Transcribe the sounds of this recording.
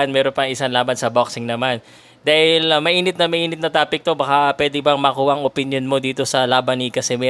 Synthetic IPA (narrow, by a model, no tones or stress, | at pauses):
nmɛːɾonpɐŋʔɪsanlaːbɐnsɐbok̚sɪŋnɐman | d̪aːhɪlmɐʔiːnɪt̪̚nɐmɐʔiːnɪt̪̚nɐt̪aːpɪk̚t̪o̞bɐkapwɛːd̪ɪbɐŋmɐkuːhɐʔɐŋʔopɪnjonmo̞d̪iːt̪o̞sɐlaːbɐnikɐsɛmɛ